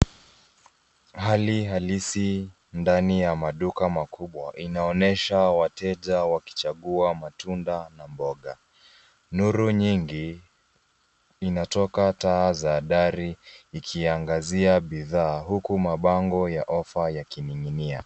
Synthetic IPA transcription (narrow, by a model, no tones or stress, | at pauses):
haliɦalisi | ndanijamaɗukamakʰuɓwa̰ʔinaɔnɛʃawatɛʄawaki̥t͡ʃaɠuamatundanambɔɠa | nuɾuɲiŋɡi | inatɔkataːzaːɗaɾiːkʰiaŋɡaziaɓiðaːɦukumaɓaŋɡɔjaʔɔfajakiniŋinia̰